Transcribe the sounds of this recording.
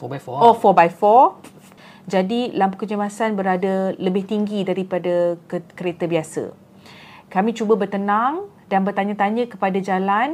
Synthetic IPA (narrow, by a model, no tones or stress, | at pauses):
ɔfɔbajfɔ | d͡ʒadilampukəd͡ʒəmasanbəɾadaləbɪht̪iŋɡidaɾipadakkəɾet̪əbiasə̰ | kamĩt͡ʃubəbərt̪ənãŋ | danbərt̪aɲə̃t̪aɲə̃kə̥padad͡ʒalan